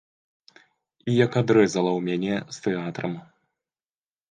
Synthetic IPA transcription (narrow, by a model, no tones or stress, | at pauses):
ijɐkad̪ɾɛzɐlˠɐwmʲanʲɛst̪ɛat̪ɾɐm